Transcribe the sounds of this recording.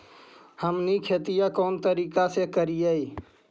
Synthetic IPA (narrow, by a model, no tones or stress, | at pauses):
həmnikʰet̪ijakɔːnt̪əɾiːkasekəɾijəi